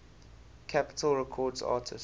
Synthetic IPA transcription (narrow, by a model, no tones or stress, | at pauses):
kʰapɪ̥tʰəlɹɛkʰɔːdzɑ̰ːtʰɪ̰s